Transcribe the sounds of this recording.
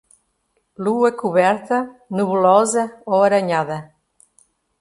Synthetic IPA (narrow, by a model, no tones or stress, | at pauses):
luɐkuβɛɾt̪ɐnuβulɔzɐoɐɾɐɲaðɐ